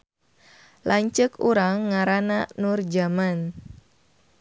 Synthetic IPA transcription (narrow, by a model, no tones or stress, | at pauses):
lʔaɲt͡ʃəkuɾaŋːaɾananʊrd͡ʒaman